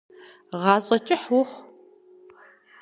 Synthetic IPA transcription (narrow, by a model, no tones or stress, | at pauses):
ʁɑːɕʼɐt͡ʃʼɪħwʊχ